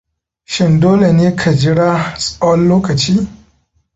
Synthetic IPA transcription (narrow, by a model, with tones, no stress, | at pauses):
ʃɪ˦ndoː˦le˨neː˦kʰa˨d͡ʒɪ˦ɽaː˦sʼa˦wɐ˦lloː˦kɐ˨t͡ʃiː˦